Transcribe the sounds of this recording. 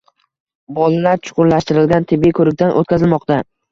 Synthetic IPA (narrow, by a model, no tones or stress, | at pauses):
bɒlalaɾt͡ʃʰʊ̥qʰʊɾlaʃt̪ɪɾɪlɡʲant̪ʰɪbːikʰɵɾɪk̚ʲt̪ʰanʔo̰t̪̚kʲazɪlmɒqt̪a